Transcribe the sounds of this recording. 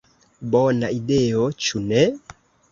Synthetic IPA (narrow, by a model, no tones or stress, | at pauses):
bɔnaideɔt͡ʃunɛ